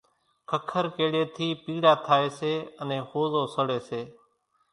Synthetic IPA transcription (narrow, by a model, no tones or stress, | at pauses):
kʰəkʰəɾkeːɽeːt̪ʰiːpiːɽaːt̪ʰaːeːseːənẽːhoːzoːsəɽeːseː